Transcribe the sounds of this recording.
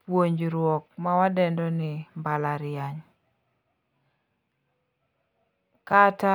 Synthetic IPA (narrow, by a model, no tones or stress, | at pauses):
pwoɲd͡ʒɾwɔk̚mawadɛndɔnɪmbalaɾɪaɲ | kata